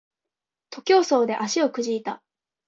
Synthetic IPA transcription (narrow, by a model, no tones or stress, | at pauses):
t̪o̞kʲo̞ːso̞ːd̪e̞ʔaɕio̞kɯ̟ʑiːt̪a̰